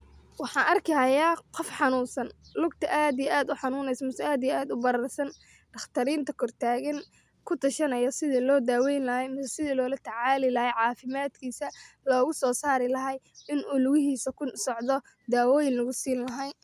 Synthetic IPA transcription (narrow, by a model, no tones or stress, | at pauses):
wɑħɑːnʔɐrkʰɐjaːqɔfħɑnuːnsɐnlʊɡt̪ʰɐʔaːd̪ijɛʔaːd̪ʊħɑnuːnɛjsmɪsɐaːd̪ijɛaːd̪ʊbɐɾɐrsɐn | ɖ̥ɐχt̪ʰɐɾiːnt̪ʰɐkʰɔrt̪ʰaːɣɐn | kʰʊt̪ʰɐʃɐnɐjɔsɪðiːlɔːd̪aːwɛjnlɐɦɛjmɪsɐsɪðiːlɔːlɐt̪ʰɐʕɑːlɪlɐhɛjʕɑːfɪmaːd̪kʰiːsɐ | lɔːɣʊsɔːsaːɾɪlɐɦɛj | ɪnʔʊlʊɣɪɦiːsɐkʰʊsɔʕd̪ɔ | d̪aːwɔːjɪnlɐɣʊsiːnlɐɦɐj